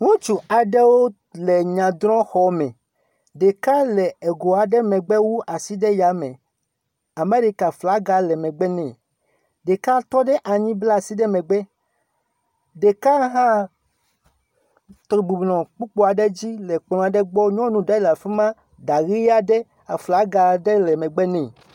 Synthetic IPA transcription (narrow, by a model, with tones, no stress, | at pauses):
ŋũ˦t͡ʃu˨a˨ɖɛ˦wo˦ | lɛ˨ɲã˨d̪ɾɔ̃˦xɔ˨˦mɛ̃˨ | ɖe˨ka˦lɛ˨ɛ˨ɡo˨a˨ɖɛ˦mɛ̃˨ɡ͡bɛ˦wu˦ʔa˨si˦ɖɛ˦ja˨˦mɛ̰̃˨ | a˨mẽ˦ɖe˦ka˨fla˨˦ɡa˦lɛ˨mɛ̃˨ɡ͡bɛ˦nɛ̃˨ | ɖe˨ka˦t̪ɔ˦ɖɛ˦ʔa˨ɲĩ˦bla˦˨si˦ɖɛ˦mɛ̃˨ɡ͡bɛ˦ | ɖe˨ka˦ɦã˦ | t̪ɾi˨ɡ͡bu˨blɔ̃˨k͡pu˦k͡po˦a˨ɖe˦d͡ʑi˦lɛ˨k͡plɔ̃˨a˨ɖɛ˦ɡ͡bɔ˦ɲɔ̃˦nũ˨ɖa˦la˨fi˦mã˦ | da˨ɣi˦a˦ɖɛ˦ | a˨fla˨˦ɡa˨ɖɛ˦lɛ˨mɛ̃˨ɡ͡bɛ˦nɛ̃˨